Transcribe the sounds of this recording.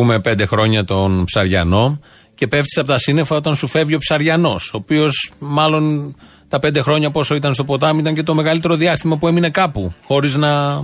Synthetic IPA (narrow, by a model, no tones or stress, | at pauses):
ume̞pe̞nd̪exɾo̞ɲɐt̪o̞npsɐɾʝɐ̰no̞ | ce̞pe̞ft̪i̥seɐpot̪ɐsine̞fɐo̞t̪ɐnsufe̞vʝio̞psɐɾʝɐno̞so̞ːpio̞smɐlo̞n | t̪ɐpend̪exɾo̞ɲɐpo̞so̞it̪ɐnst̪o̞po̞t̪ɐmuit̪ɐɲce̞t̪o̞me̞ɣɐlit̪e̞ɾo̞ðiɐst̪imɐpue̞mine̞kɐpuxo̞ɾiznɐ